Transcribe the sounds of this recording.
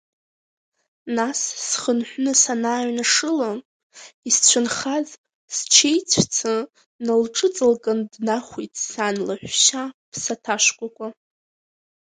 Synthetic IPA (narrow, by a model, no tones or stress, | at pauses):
nassχənħʷnɨsanaːɥnaʂɨla | ist͡ɕʷʰʊnχaz | st͡ʃʰejt͡sʷʰt͡sʰɨ | nɨlʈ͡ʂʼɨt͡sʼɨlkʼandnaχʷitʼsanlaħᶣʷʃapʰsatʰaʃkʷʼakʷʼa